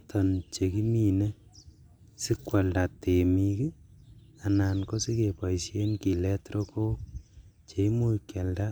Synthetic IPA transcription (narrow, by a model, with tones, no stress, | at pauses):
tɔ˨nt͡ʃe˨ki˦mi˨ne˦ | si˦kwɛ˨lda˨te˨mi˦ki˦a˨na˨nko˦si˦ke˨pa˨jsje˦nki˨lɛ˦tɾo˦ko˦ | t͡ʃe˨i˦mu˦kɛ˨lda˦